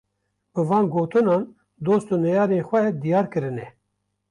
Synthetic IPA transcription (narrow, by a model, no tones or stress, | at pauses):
b̥ɨvɑːnɡoːt̪ɨnɑːn | d̪oːst̪unɛjɑːɾeːnxʷɛd̪ijɑːɾkɨɾɨnɛ